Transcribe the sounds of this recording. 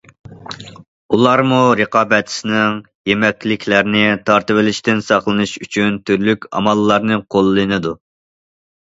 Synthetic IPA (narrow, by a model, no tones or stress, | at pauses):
ulˠɑɾmuɾəqɑːbɛt̪ʰɪ̥sɪnɪŋ | jemɛkʲlɪkʲʰlæɾnɪt̪ʰɑɾt̪ɨvɪlɪʃt̪ɪnsɑχlˠɨnɨʃyt͡ʃʰynt̪ʰyɾlykʲɑ̰mɑlˠːɑɾnɨqʰolˠːɨnɨd̪u